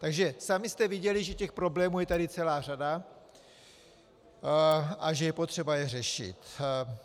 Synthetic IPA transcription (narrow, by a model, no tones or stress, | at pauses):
t̪aɡʒɛsamɪst̪ɛvɪɟɛlɪʒɛcɛxpɾo̞blɛːmuːjɛt̪adɪt͡sɛlaːrada | ʔaʒɛjɛpo̞t̪r̝̥ɛbajɛrɛʃɪ̰t̪